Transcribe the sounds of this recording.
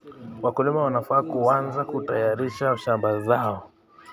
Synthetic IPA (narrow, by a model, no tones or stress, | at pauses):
wakulimawanafaːkuanzakutajaɾiʃaʃambazaɔ